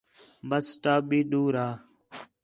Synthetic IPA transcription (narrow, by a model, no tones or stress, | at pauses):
bəsʈaːɓiːɗuːɾaː